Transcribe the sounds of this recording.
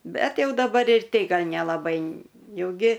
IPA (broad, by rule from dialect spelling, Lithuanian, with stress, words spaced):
ˈbʲɛt ˈjɛʊ dɐˈbɐr ɪr ˈtʲɛɪ ˈɡɐlʲ nʲɛlˠɐˈbɐɪ ˈjɛʊ ˈɡʲɪ